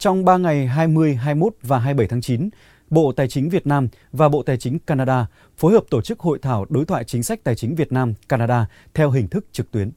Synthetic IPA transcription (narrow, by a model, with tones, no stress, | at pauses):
t͡ɕɔ˧wŋ͡mɓaː˧ŋa˨˩jɦaː˧jmɨ˧əjɦaː˧jmo˦˥t̚vaː˨˩ɦaː˧jɓə˧˩jt̪ʰaː˨˦ŋt͡ɕi˨˦n | ɓo̰˧˨t̪aː˨˩jt͡ɕï˨˦ŋ̟vi˨˩ət̚naː˧m | vaː˨˩ɓo̰˧˨t̪aː˨˩jt͡ɕï˨˦ŋ̟kaː˧naː˧ɗaː˧ | fo˨˦jɦəː˨˩p̚t̪o˧˩t͡ɕɨ˦˥k̚ho̰˧˨jt̪ʰaː˧˩wɗo˨˦jt̪ʰwa̰ː˧˨jt͡ɕï˨˦ŋ̟sa˦˥k̟̚t̪aː˨˩jt͡ɕï˨˦ŋ̟vi˨˩ət̚naː˧mkaː˧naː˧ɗaː˧ | t̪ʰɛ˧wɦï˨˩ŋ̟t̪ʰɨ˦˥k̚t͡ɕɨ˨˩k̚t̪wi˨˦ən